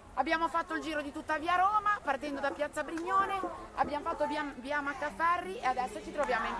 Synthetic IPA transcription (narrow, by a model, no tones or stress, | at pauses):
abːjaːmofat̪ːoild͡ʒiːɾod̪it̪ut̪ːaviːaɾoːmapart̪ɛnd̪od̪apjat̪sːabɾiɲːoːnea̰bjaːmofat̪ːobavjamakːafɛrːiead̪ɛsːot͡ʃit̪ɾovjaːmoin